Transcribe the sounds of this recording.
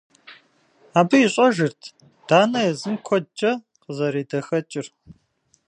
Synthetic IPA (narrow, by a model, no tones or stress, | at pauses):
aːbɨiɕʼɔʒɨrtʰ | d̥aːnɐjɛzɨmkʷʰɔt͡ʃʼɐ | qəzɐɾiːdɐxɐt͡ʃʼɪr